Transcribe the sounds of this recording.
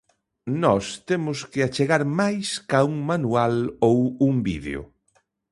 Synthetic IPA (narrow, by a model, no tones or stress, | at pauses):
nɔst̪emʊskɪat͡ʃeɣaɾmajskauŋmanualowuŋbḭðḛo̰